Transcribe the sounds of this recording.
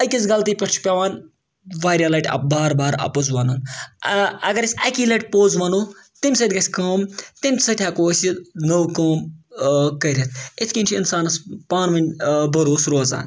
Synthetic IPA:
əjkʲizɡɐlt̪ipʲɐʈt͡ʃʰpʲɐʋaːn | ʋaːɾʲalɐʈɐ̰baːɾbaːɾɐ̰pozʋɐnun | ɐɡɐɾɐsʲɐkiːlɐʈʲpoːzʋɐnoːt̪imʲsɐd̪ʲɡɐsʲkɐːmt̪imʲsɐt̪ʰʲjaːkoːsʲinəwkoːm | kɐɾʲet̪ʰit̪ʰkʲinʲt͡ʃʰinsaːnɐspaːnmɐnʲbɐɾoːsɾoːza̰ːn

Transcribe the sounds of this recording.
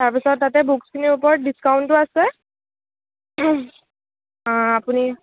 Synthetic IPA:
taɹpisɔtːatɛbukskʰiniupɔɹdiskawntʊasɛ | apuni

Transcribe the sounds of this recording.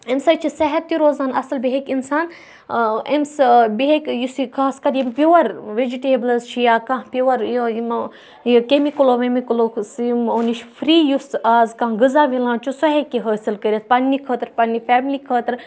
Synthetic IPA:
emsɐt͡ʃʰisɐɦɐt̪ːiɾoːzaːnɐsɨlbiɦekinsaːn | emsbiɦekjusikʰaːskɐɾjimpʲiwɐɾʋed͡ʒiʈeːblɐst͡ʃʰijaːkãɦpiwɐɾjjm | jkemikloʋemiklosimoniʃfɾiːjusaːzkãːɡɨzaːʋilãːt͡ʃʰusɐɦekiɦəːsilkəɾʲet̪̚pɐnːikʰəːt̪ɾpɐnːifɛːmlikʰəːt̪ɾ

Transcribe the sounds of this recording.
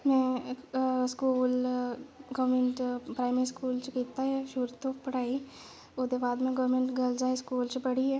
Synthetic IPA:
mɛ̃ː | skuːl | ɡəʋɾmẽɳʈpɾaːɪməɾiskuːlt͡ʃkiːt̪aɦɛːʃʊɾt̪õːpəɽaːiː | od̪eːbaːd̪mɛ̃ːɡəʋɾmẽɳʈɡəld͡ʒaːeskuːlt͡ʃpəɽiːɛː

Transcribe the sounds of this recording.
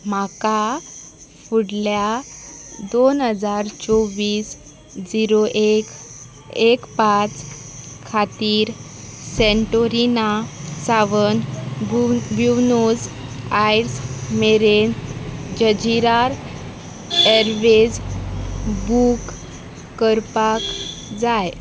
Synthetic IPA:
maka | fuɽlja | d̪onɦəd͡zaɾt͡sɔʋiːs | d͡ʑiɾoʔ | ekpat͡skʰat̪iːɾ | seɳʈoɾinasaʋən | bjunud͡zajɾsmeɾend͡ʑəd͡ʑiɾaɾ | eɾʋed͡z | bukː | əɾpak | d͡zaj

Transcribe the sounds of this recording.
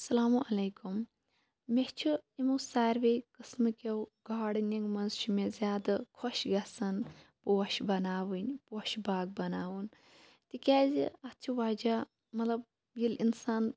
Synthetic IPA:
ɐsɐlaːmuʔɐleːkum | meht͡ʃʰuimusaːɾʋejkɨsmɨkewɡaːɽnʲiŋɡmɐnzt͡ʃʰumezʲjaːd̪ɐkʰoʃɡʲɐsɐnpoːʃbɐnaːʋɨnʲpoːʃbaːɡ̚bɐnaːwun | t̪ikʲaːziɐt̪t͡ʃʰiʋaːd͡ʒaː | mɐt̪lɐb̚ | jilinsaːn

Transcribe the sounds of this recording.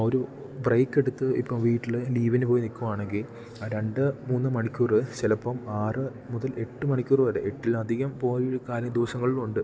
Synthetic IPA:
o̞ɾu | brɐjkːe̞ɽut̪ːɨḭpːɐmʋiːʈːilɨliːʋɐnɨpo̞ːjnikʲːumaːɳeŋɡil | aɾe̞ɳɖɨmuːnːɨmɐɳikʲːuːrɨt͡ɕilɐpːɐmaːrɨ | muðɐle̞ʈːɨmɐɳikʲːuːrɨʋɐɾḛeʈːilɐd̪ʱiɣɐmpo̞ːjkaːɾjɐd̪uʋɐsɐŋːɐɭiluɳɖɨ

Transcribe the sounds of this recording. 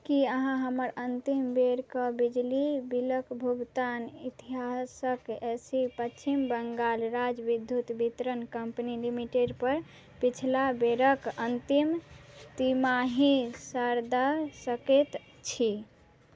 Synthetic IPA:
kiəɦãɦəməɾənt̪imbeɾkəbid͡ʒlibiləkbʱuɡt̪anit̪iɦasəkesipət͡ʃʰimbəŋɡalɾad͡ʒbid̪ʱːjut̪bit̪ɾənkəmpnilimiʈeɖpəɾ | pit͡ʃʰlabeɾəkənt̪imt̪imaɦisaɾd̪asəket̪ | t͡ʃʰi

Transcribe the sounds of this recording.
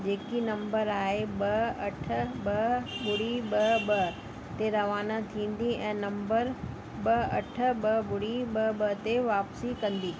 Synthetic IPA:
d͡ʑeːkinɐ̃mbəɾaːɦeɓɐɐʈ̆ʰbɐbʊɽiɓɐbɐ | t̪eɾɐʋaːnat̪ʰĩːnd̪iɛ̃ːnɐ̃mbəɾ | bɐɐʈʰə̆ɓɐbʊɽiɓɐɓɐɦt̪eʋaːpsikɐ̃nd̪iː

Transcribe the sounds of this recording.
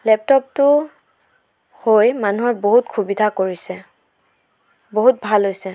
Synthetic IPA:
lɛp̚tɔp̚tʊ | hojmanuɦɔɹboɦutkʰubidʱakoɹisɛ | boɦut̚bʱalɦojsɛ

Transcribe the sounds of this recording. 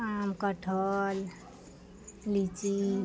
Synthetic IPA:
amkəʈʰəl | lit͡ʃi

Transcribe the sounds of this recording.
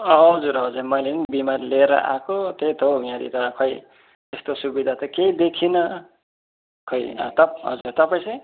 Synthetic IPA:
ʌɦʌd͡zuɾɦʌd͡zumʌjlenibimarleɾʌ̰ʔa̰kot̪et̪ʰoujãɾḭt̪ʌkʰʌj | t̪est̪osubid̪ʱat̪ʌkejd̪ekʰinʌ | kʰʌjʌ̰t̪ʌpɦʌ̰d͡zuɾt̪ʌpaj̃sʌj

